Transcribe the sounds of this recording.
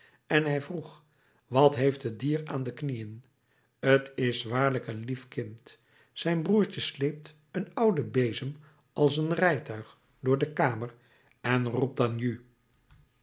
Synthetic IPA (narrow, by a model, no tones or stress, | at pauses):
ɛnɦɛjvruχ | ʋɑtɦejftədiːraːndəknijən | ətɪsʋaːɹləkənlifkɪnt | sɛjnbruːɹt͡ʃəslejp̚t | ənʌwdəbejzəm | ʔɑlˠsənrɛjtœɥχ | dʊːɹdəkaːmər | ɛnrup̚danjy